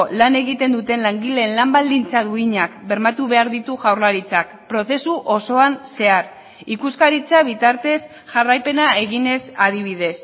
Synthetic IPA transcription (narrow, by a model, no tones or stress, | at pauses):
lane̞ɣit̪e̞nd̪ut̪e̞nlaŋɡile̞nlambald̪int͡saðuiɲakbe̞ɾmat̪uβe̞aɾðit̪uʝawɾlaɾit͡sakpɾo̞θe̞suʔo̞so̞anse̞aɾ | ikuskaɾit͡saβ̞it̪aɾt̪e̞s | ʝarajpe̞nae̞ɣine̞sað̞iβ̞ið̞e̞s